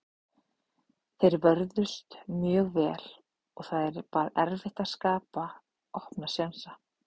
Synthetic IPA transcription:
θejɾvœɾðʏst̪mjœːɣvɛːl | ɔɣθaðɛɾpaːɾɛɾvɪht̪askaːpa | ɔhpnasjansa

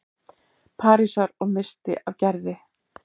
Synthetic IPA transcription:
pʰaːɾisaɾɔɣmɪst̪ɪ̰ʔavcɛɾðɪ

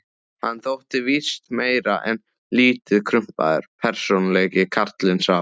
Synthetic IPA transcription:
hanːθowht̪ɪvist̪meːjɾaʔɛn | liːt̪ɪðkʰɾʏm̥pa̰ðʏ̰ɾ̥pʰɛɾ̥sonlɛːcɪkʰaɾ̥t̪lɪnsa

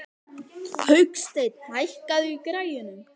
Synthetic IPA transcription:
hœɥkst̪ejt̪̚najhkaðʏikɾaːjʏnʏm

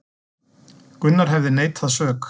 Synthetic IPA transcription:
kʏnːaɾ̥ɦɛvðɪneːjt̪ʰaðsœːk

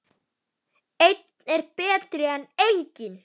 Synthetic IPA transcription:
ejt̪nɛɾpɛːt̪ɾɪanejɲcɪn

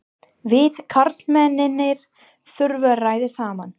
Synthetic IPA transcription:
vɪðkʰaɾt̪lmɛnːɪnːɪɾ̥ | θʏɾvʏraːjðɪsaːman

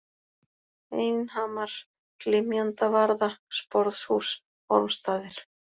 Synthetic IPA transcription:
eːjnhaːmaɾ̥ | klɪmjant̪avaɾðaspɔɾðshus | ɔɾmst̪aːðɪɾ̥

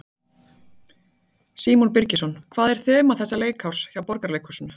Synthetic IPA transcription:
siːmunpɪɾcɪsɔnkʰvaːðɛɾ̥θɛːmaθɛsːaleːjkʰhawɾ̥sçawpɔɾkaɾleːjkhʏ̥sʏnʏ

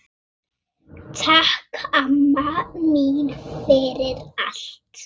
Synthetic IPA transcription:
tʰakʰamːamiːnfeːɾɪɾa̰ɬtʰ

